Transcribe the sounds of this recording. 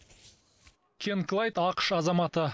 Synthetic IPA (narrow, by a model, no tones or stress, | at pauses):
kʲʰenklˠɑjt̪ɑqə̥ʃɑzɑmɑt̪ə